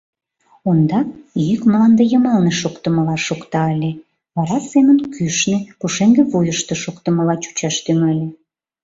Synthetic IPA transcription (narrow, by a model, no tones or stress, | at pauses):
ond̪ɑjykmlɑnd̪ejəmɑlneʃokt̪əməlɑʃokt̪ɑəlʲe | βɑɾɑsemənkyʃnekuʃeŋɡeβojəʃt̪eʃokt̪əməlɑt͡ɕu̥t͡ɕɑʃt̪yŋəlʲe